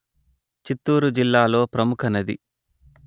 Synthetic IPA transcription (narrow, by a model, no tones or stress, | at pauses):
t͡ʃit̪ːuːɾud͡ʒilːaːlo̞ːpɾɐmukʰɐnɐd̪ḭ